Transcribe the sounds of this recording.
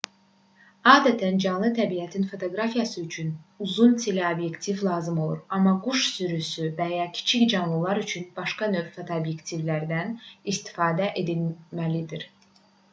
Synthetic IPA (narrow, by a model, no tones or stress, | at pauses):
ɑːd̪æt̪ʰænd͡ʒɑnlˠɯt̪ʰæbijæt̪ʰinfo̞t̪ʰo̞ɡɾɑfijɑsɯyt͡ʃʰynuzunt̪ʰeleobje̞kt̪ʰivlˠɑːzɯmo̞lˠṵɾɑmːɑɡuʃsyɾysyvæjɑːcʰi̥t͡ʃʰicd͡ʒɑnlˠɯlˠɑɾyt͡ʃʰynb̥ɑʃkɑnøfat̪ʰoobjekt̪ʰivlæɾd̪ænist̪i̥fɑːd̪æʔe̞d̪ilmælid̪iɾ